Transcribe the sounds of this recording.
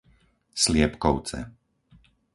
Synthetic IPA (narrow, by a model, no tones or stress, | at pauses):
slɪɛpkɔʊt͡sɛ̰